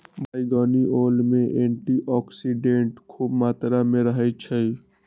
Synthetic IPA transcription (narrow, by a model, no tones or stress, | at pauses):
bʱaːiɡɔːniʔoːlmeʔeɳʈiʔɔksiɖeɳʈkʰuːbmaːt̪ɾameɾəɦət͡ʃʰəj